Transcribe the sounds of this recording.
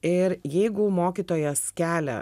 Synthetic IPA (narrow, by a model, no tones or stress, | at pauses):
ɪɾjɛɪɡʊmoːkʲit̪oːjɛskʲæːlʲɛ̰